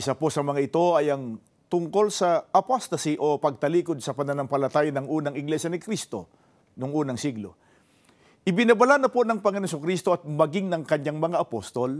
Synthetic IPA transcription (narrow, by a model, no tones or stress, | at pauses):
ʔɪsapo̞ʔsɐmɐŋaʔɪt̪o̞ɐjɐŋ | t̪ʊŋko̞lsɐʔɐpost̪ɐsiʔo̞pɐɡ̚t̪ɐliːkod̪̚sɐpɐnɐnɐmpɐlɐt̪aːjɐnɐŋuːnɐŋɪɡlɛʃjɐnɪkɾist̪o̞ | nʊŋʔuːnɐŋsiɡlo̞̰ | ʔɪbɪnɐbɐlanɐponɐŋpɐŋɐnosokɾist̪o̞ʔɐt̪̚mɐɡɪŋnɐŋkɐɲaŋmɐŋaʔɐpost̪o̞l